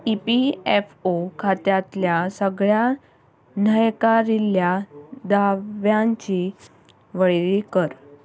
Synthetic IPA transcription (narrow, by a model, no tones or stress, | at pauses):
ipiefokʰat̪jat̪ljasəɡɭja | nəjkaɾiljad̪aʋjãɲt͡ɕi | ʋəɭɾikəɾ